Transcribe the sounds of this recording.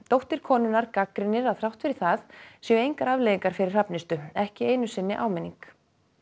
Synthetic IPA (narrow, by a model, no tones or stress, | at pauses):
t̪owht̪ɪɾ̥kʰɔːnʏnaɾkakɾɪnːɪɾaθɾawht̪fɪɾɪɾ̥θaθsjœejŋkaɾavlejiŋkaɾ̥fɪɾɪɾ̥hapnɪst̪ʏɛhcɪeːjnʏsɪnːɪʔa̰ːwmɛnːiŋk